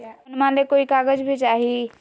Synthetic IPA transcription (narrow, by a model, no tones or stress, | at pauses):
ʊnmãlekoːikaɡəd͡ʒbʱit͡ʃaːɦi